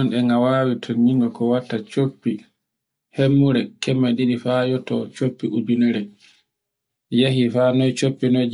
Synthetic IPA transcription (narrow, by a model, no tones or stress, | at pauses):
ɔnɗɛŋawaːwitʰɔɲiŋɡɔkɔwatːat͡ʃopːi | hemːuɾɛkʰɛmːaɗiɗifajɔtɔt͡ʃopːiʔudunɛɾɛ | jaɦifanɔjt͡ʃopːinɔj